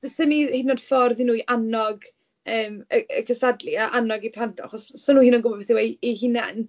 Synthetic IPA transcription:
d̥əsɪnihɪdnɔd̥fɔrðinuːiʔanɔɡ | əːməəkʰəsadliaʔanɔɡipʰandɔ̰aχɔssɔnuːinɔnɡʊbɔbbeθiwɛihɪna̰n

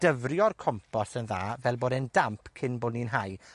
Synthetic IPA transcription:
d̥əvrjɔrkʰɔmpʰɔsənða̰ːvɛlˠboːdɛndampʰkʰɪnbʊninɦaj

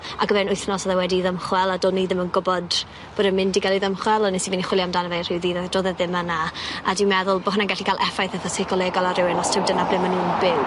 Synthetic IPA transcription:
aɡəvɛnʊɨθnɔsɔðawɛdiðəmχwɛlˠadoːdniðɪmənɡʊbɔd | b̥odəmɪndiɡalˠiðəmχwɛlˠɔnisiviniχwɪljamdanəvejr̥ɪwðiːðadoːðɛðɪmanaadɪwmɛðʊlˠbohʊnaɡɛɬikʰalˠʔɛfajθəðɔsɪkʰɔlˠɛːɡɔlˠaɾɪwɪnɔstʰɪwdənablɪmanuːnbɪw

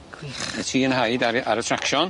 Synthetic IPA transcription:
ɛtʰiːənɦajdaɾaɾatʰrakʃɔn

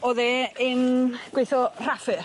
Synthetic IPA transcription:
ɔðeːɪnɡ̥wejθɔr̥afɨ

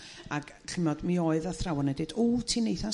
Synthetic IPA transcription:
aɡ | ɬɪmɔdmioːɨðaθrawɔnɛdɪdutʰinejθa

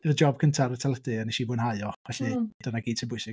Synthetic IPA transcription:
ɪrd͡ʒɔb̥̚kʰəntʰaɾətʰalˠədɨəniʃiːbʊːnɦajɔvɛɬid̥ɔnaɡiːd̚tʰɪbʊjsɪ

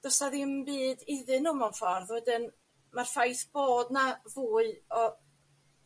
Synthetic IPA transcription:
d̥ɔsaðiəmbiːdɪðɨnuːmɔnfɔrðwɛdɨn | marfajθb̥oːdnavuːɨɔ

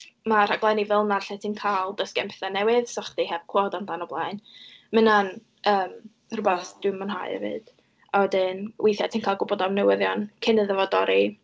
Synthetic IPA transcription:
mar̥aɡlajnivɛlˠnarɬɛtʰiːnkʰalˠdəskɛmpʰɛθanɛwɪðsɔχd̥ihɛb̥̚kʰwoːdandanɔblˠajnmənan | əːm | rʊbɛθd̥ɪmənɦa̰ɨɛ̰vɨ̰d̥ | awɛdɪnwejθjatʰiːnkʰaːlˠɡʊbɔdavnɛwɪðjɔnkʰɪnəðəvɔdɔɾi

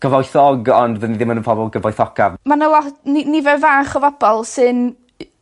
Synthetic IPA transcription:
ɡ̥əvɔjθɔɡɔndvəniðɪmənənpʰɔbɔlˠɡəvɔjθɔkʰavmanəlˠɔninivɛvaːχɔvɔbɔlˠsɨn

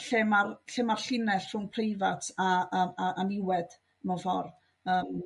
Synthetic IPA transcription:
ɬeːmarɬeːmarɬɪnɛɬfrʊnpʰrejvatʰaaʔanɪwɛd̥ | mavɔr | əːm

